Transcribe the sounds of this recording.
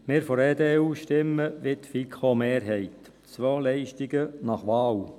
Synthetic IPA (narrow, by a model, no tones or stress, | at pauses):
mɪːɾfɔɾeːd̪eːuːʃtɪmːəʋɪt̪fikʰχomeːɾɦɛɪt̪ | t͡sʋoːlɛɪʃtɪɡənɑχʋɑːw